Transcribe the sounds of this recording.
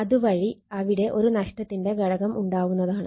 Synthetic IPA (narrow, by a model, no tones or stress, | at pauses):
ɐðuʋɐɻiɐʋiɽe̞ʔo̞ɾunɐʂʈɐt̪ːinde̞ɡɐɻɐɣɐmʔuɳɖaːʋunːɐðaːɳɨ